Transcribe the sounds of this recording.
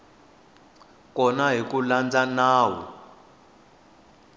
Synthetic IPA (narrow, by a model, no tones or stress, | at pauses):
kɔnaɦik̬uland͡zanaːwɔ̰